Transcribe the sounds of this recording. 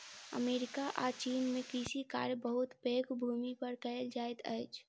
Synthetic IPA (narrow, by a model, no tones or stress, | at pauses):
ə̰meːɾɪkaʔat͡ʃiːnmẽkisika̰ːɾbəɦʊt̪peːkbʱumipəɾkəld͡ʒaːet̪ʰə̰ːt͡ʃʰ